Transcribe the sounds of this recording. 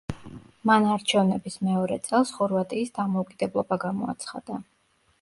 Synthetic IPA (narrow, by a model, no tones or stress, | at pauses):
manaɾt͡ʃʰɛvnɛbismɛɔɾɛ̰t̪sʼɛlˠsχɔɾvat̪ʼiːsd̪amɔukʼid̪̥ɛblˠɔbaɡamɔa̰t̪sʰχa̰d̪̥a